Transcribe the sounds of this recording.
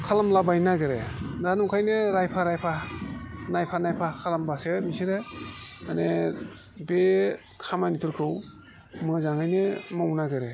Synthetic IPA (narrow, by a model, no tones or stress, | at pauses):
kʰalamlabajnaɡɯɾedanukʰajnɯɾajpʰaɾajpʰa | najpʰanajpʰakʰalambasemisiɾeane | be | kʰamanipʰuɾkʰɯw | mɯzaŋajnɯmɯwnaɡɯɾe